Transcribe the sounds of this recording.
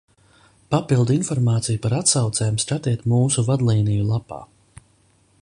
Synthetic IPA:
papilˠd̪infɔɾmaːt̪sijupaɾat̪sawt̪sɛːjumskat̪iɛt̪muːsuvad̪lˠiːnijulˠapa̰ː

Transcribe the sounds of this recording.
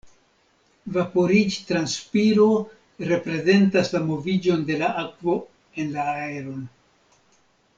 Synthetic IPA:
vapo̞ɾid͡ʒtɾanspiɾo̞ | ɾe̞pɾe̞ze̞ntaslamo̞vid͡ʒo̞nde̞laʔakvo̞ | e̞nlaːeɾo̞n

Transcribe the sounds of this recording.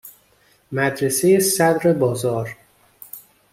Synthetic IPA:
mæd̪ɾesejesæd̪ɾebɒːzɒːɾ

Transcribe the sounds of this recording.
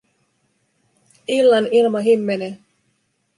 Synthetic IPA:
ilːɑnilmɑɦimːene

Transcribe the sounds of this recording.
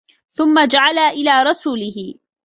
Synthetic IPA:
θʊmːad͡ʒaʕalaʔɪlaːɾˤɑsuːlɪɦɪ

